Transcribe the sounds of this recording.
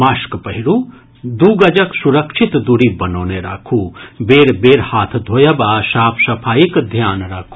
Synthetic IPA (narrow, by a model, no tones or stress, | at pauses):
maːʃkpɐɦiɾu | d̪uːɡɐd͡ʒɐksuɾɐkʃit̪d̪uɾibɐnoːneɾa̰kʰubeːɾbeːɾhaːt̪ʰd̪ʱoːjɐbaːʃaːpʰsɐpʰaːjikd̪ʱjaːnɾakʰu